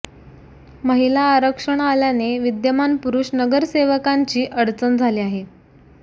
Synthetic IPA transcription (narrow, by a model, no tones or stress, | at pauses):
məɦilaːɾəkʂəɳ̃aljaneʋid̪jəmanpuɾuʂnəɡəɾseʋəkaɲt͡ɕiːʔəɽt͡sənd͡zʱaliːaɦe